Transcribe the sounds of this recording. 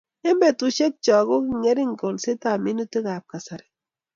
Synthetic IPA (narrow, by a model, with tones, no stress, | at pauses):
e˦mbe˨tu˨ʃe˦t̚t͡ʃɔ˨ɡo˦ki˦˨ŋe˦ɾi˦ŋ̩˨ko˨lse˦ta˨mi˦nu˦te˦ɡa˨p̚ka˨sa˨ɾɛ̥˨